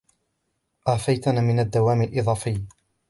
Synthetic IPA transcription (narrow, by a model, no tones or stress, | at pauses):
ʔaːfajt̪anaːmɪnad̪ːawaːmalʔɪðˤɑːfɪj